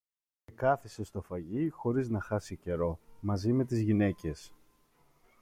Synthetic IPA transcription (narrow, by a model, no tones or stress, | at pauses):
ekɐθisest̪o̞fɐʝixo̞ɾiznɐxɐsice̞ɾo̞mɐzime̞t̪̬izʝine̞ce̞s